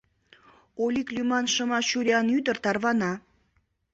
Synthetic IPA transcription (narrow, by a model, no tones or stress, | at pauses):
oliklʲymɑnʃəmɑʃuɾʲiɑnyd̪ərt̪ɑrβɑnɑ